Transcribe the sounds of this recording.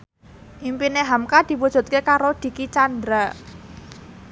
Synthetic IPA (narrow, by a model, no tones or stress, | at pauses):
ʔimpineɦamkad̪̥i̤pud̥ʒ̥ṳt̪̚kekaɾod̪̥i̤kit͡ʃand̪ɾa